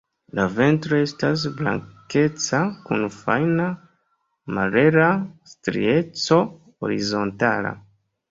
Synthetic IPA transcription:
lave̞ntɾo̞e̞stas̬bla̰ŋke̞t͡sakunfajna | maɾe̞ɾastɾḭe̞t͡so̞ | o̰ɾizo̞ntala̰

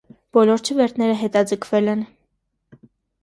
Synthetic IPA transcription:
b̥ɔlɔɾt͡ʃʰəvɛɾt̪ʰnɛɾəɦɛt̪ɑd͡zəkʰvɛlɛn

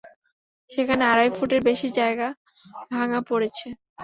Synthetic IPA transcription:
ʃekʰaneaɾajfuʈeɾbeʃid͡ʑaeɡa | bʱaŋapoɾet͡ɕʰe

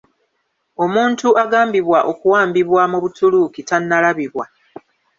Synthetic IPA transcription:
o̞muːntuʔaɡaːmbiβwaʔo̞kuwaːmbiβwamuβutulukitanːalaβiβwa

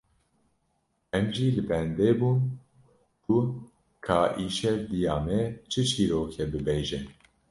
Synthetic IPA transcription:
ɛmʒiːlɨbɛnd̪eːbuːn | kʰu | kʰaːʔiːʃɛɾd̪ijɑːmɛt͡ʃʰɨt͡ʃʰiːɾoːkʰɛbɨbeʒɪn

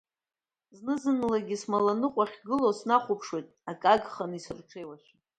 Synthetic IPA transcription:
znɨzɨnlaɡʲismalanɨqʷʼaχʲɡɨlosnaχʷupʰʂwejtʼakʼaɡχanisɨrʈ͡ʂʰejwaʃʲʷ

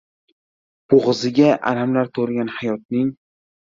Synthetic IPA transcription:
b̥oʁɨzɪɡʲaʔa̰ɾamlaɾt̪ʰoɾɡʲanhajɒt̪̚nɪŋ

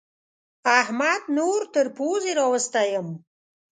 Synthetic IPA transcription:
ahmad̪noɾt̪əɾpozeɾɑwəst̪ajəm

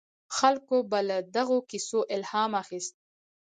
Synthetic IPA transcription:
xalkobalad̪aɣokisoʔɪlhɑmaxist̪̚

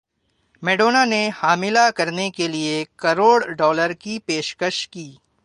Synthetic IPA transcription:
mɛːɖoːnanehaːmɪlakɐɾnekeliekɐɾoːɽɖɔːləɾkipeːʃkəʃkiː

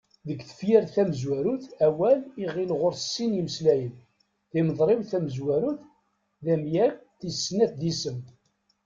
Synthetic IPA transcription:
ðəɡθə̥fjæɾθæməzwæɾuθæwæliʁilʁoɾsːiniməslæjən | θɪməðˤɾˤɪwθæməzwæɾuθ | ðæmjæ | θisːnæθðisəm

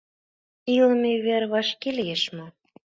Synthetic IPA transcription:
ilə̆meyβerβɑʃkelieʃmo

